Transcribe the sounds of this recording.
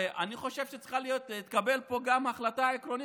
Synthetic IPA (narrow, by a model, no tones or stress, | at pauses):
ʔa̰niχo̞ʃev̥ʃet͡sχalijo̞t̪t̪kabelpo̞ɡamaχlataekʁo̞ni